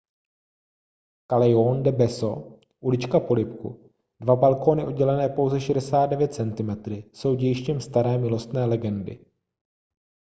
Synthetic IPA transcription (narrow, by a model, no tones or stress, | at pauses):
kalɛjondɛbɛso̞ | ʔulɪt͡ʃkapo̞lɪpkṵ | dvabalko̞nɪʔo̞d̚ɟɛlɛnɛːpo̞wzɛʃɛdɛsaːt̪̚dɛvjɛt̪̚t͡sɛnt̪ɪmɛt̪ɾɪso̞wɟɛjɪʃcɛmst̪aɾɛːmɪlo̞st̪nɛːlɛɡɛndɪ̰